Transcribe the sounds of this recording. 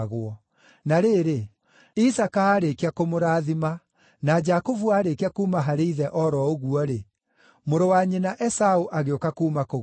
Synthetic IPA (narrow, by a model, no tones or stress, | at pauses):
ɣwɔ | naɾeːɾe | isakaːɾekeakomoɾaːðima | nad͡ʒakovuaːɾekeakuːmaɦaɾeiðɛʔɔɾɔoɣuɔɾe | moɾowaɲenaʔɛsaoʔaɣeokakuːmako